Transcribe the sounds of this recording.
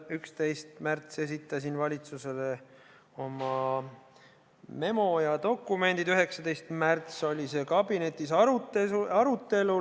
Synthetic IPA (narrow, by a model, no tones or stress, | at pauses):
ykst̪e̞jst̪mært̪se̞sit̪ːˑɑsinvɑlʲit̪suse̞le̞ | o̞mɑ | me̞mo̞jɑd̪o̞kːume̞nd̪id̪yɦe̞ksɑd̪e̞jst̪mært̪so̞lʲise̞kɑbine̞t̪ːˑisut̪eɑɾut̪ːe̞lu